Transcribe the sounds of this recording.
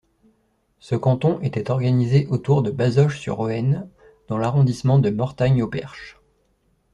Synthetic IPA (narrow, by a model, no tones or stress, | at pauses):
səkɑ̃t̪ɔ̃ʔet̪ɛt̪ɔʁɡanizeʔot̪uʁd̪əbazɔʃsy̰ʁoɛn | d̪̥ɑ̃laʁɔ̃d̪ismɑ̃d̪əmɔʁt̪aɲopɛ̰ʁʃ